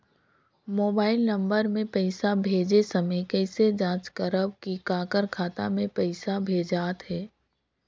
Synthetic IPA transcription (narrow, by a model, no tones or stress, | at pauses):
moːbaːɪlnɐ̃mbəɾmẽpɛɪsabʱeːd͡ʒesɐməjkɛɪsed͡ʒãːt͡ʃkəɾəbkikaːkəɾkʰaːt̪a̰mẽpɛɪsabʱeːd͡ʒaːt̪ɦɛː